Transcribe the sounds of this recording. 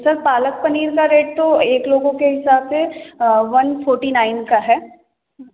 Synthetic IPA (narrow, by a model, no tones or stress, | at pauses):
sɐɾpaːlək̚pɐniːɾkaɾeːɖ̚t̪oeːkloːɡõkeɦɪsaːbseʋɐnfʰoːɾʈinaːɪnkaɦɛː